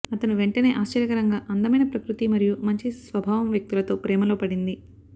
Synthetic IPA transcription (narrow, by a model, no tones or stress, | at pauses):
ɐt̪ɐnuʋe̞ɳʈɐne̞ːʔaːʃt͡ʃɐɾjɐkɐɾɐŋɡaːʔɐnd̪ɐmɐjnɐpɾɐkɾut̪imɐɾijumɐɲt͡ʃisʋɐbʱaːʋɐmʋjɐk̚t̪ilɐt̪o̞ːpɾɛːmɐlo̞ːpɐɽind̪i